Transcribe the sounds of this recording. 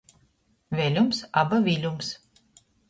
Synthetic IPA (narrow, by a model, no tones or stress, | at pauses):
vʲɛlʲumsabavʲilʲums